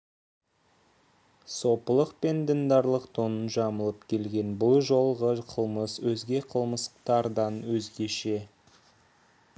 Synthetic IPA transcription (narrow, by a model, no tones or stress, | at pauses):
so̞pəlˠəqpe̞nd̪ɪnd̪ɑɾlˠəqt̪ʰonənʒɑməlˠəp̚kʲʰe̞lɡʲe̞nbʊlˠʒo̞lˠʁəqʰəlˠməswɵzɡʲe̞qʰəlˠməst̪ɑɾd̪ɑnwɵzɡʲe̞ʃe̞